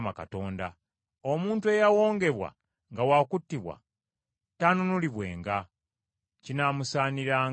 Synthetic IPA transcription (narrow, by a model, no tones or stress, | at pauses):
maka̰to̞ːnda | omuːntue̞jawo̞ːŋɡe̞βwa̰ | ŋɡawakutːiβwa̰ | tanunuliβwe̞̰ːŋɡa | cinamusaːniɾaː